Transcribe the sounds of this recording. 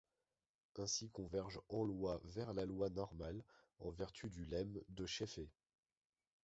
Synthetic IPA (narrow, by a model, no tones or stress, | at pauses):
ɛ̃sikɔ̃vɛʁʒɑ̃lwavɛʁlalwanɔʁmal | ɑ̃vɛʁt̪ʰyd̪ylɛmd̪əʃefe